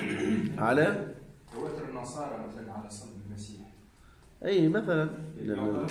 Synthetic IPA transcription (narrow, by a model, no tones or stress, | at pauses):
ʕalat̪awaːt̪ʊɾɪnːɑsˤɑːɾˤɑmazanʕalasˤɑnbɪlmasiːħ | ʔiːmaθalanlanː